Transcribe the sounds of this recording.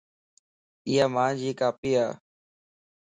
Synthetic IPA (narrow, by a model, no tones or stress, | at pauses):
ɪːaːmãːd͡ʒiːkaːpiːaː